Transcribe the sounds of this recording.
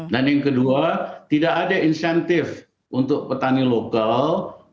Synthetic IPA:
danjaŋkəduat̪idaʔadainsɛnt̪ɪf | ʔunt̪ʊk̚pət̪anilokal

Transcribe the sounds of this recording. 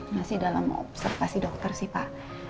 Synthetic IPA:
masɪhdalamɔ̰psərfasidɔk̚t̪ərsihpa̰ʔ

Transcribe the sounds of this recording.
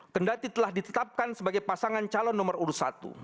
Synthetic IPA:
kəndat̪it̪əlahdit̪ət̪ap̚kansəbaɡajpasaŋant͡ʃalɔnːɔmərulusa̰t̪ṵ

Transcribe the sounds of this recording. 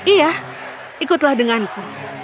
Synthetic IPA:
ija | ikʊt̪lahdəŋanku

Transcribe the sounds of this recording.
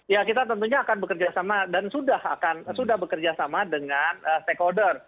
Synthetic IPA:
jakit̪at̪ənt̪̬uɲaːkanbəkərd͡ʒasamadansudaha̰kansudahbəkərd͡ʒasamadəŋanəst̪ekodər

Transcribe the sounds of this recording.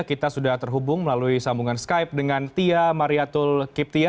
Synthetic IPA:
kit̪asudaht̪ərɦubʊŋməlaluisambuŋansə̥kaip̚dəŋant̪iamaɾiat̪ʊlkɪp̚t̪ia

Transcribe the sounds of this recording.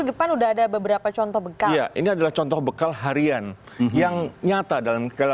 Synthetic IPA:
dəpanudaɦadabəbəɾapat͡ʃɔnt̪ɔhbəkajaʔḭniadalaht͡ʃɔnt̪ɔhbəkalɦaɾian | jaŋɲat̪adalamkəl

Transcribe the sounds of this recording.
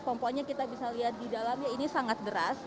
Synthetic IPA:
pɔmpaɲakit̪abisaliɦat̪̚didalamjainisaŋat̪̚dəɾas

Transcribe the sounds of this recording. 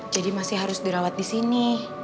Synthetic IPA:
d͡ʒadimasɪhɦaɾʊsdiɾawat̪̚disini

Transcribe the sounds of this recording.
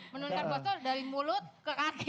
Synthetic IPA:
mənut̪aɡɔsɔdaɾimulʊt̪̚kəʔaɡ

